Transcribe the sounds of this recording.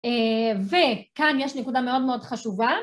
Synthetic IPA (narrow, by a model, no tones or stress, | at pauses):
evekanjeʃnekudame̞o̞dmeo̞dχaʃuva